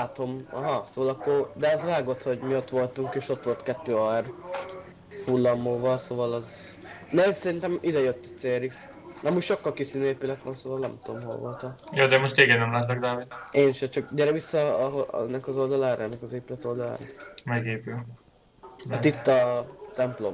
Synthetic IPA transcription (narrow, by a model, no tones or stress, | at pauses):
laːt̪o̞mɒɦɒsovɒlɒkːo̞rd̪ɛɛzʋaːɡo̞t̪ho̞ɟmiot̪ʋo̞lt̪uŋkeːʃo̞t̪ʋo̞lt̪kɛt̪ːøːɒr | fulːɒmːoːvɒlsovɒlɒz | nɛsɛɾint̪ɛmʔid̪ɛjøt̪ːɛseːɾiks | nɛmutʃo̞kːɒlkisiːnøeːpylɛt̪ʋɒnsovɒlnɛmt̪omɦo̰lvo̞̰lt̪ɒjoːd̪ɛmoʃt̪eːɡɛd̪nɛmlat̪nɛɡ̚d̪aːvid̪eːnʃɛt͡ʃɒkɟɛɾɛvisːɒɦoɛ̰nːɛkɒzo̞ld̪ɒlaːɾ̰ɛnːɛkɒzeːpylɛt̪o̞ld̪ɒla̰ːɾɒmɛɡeːpyl | at̪it̪ːɒt̪ɛmplo̞̰m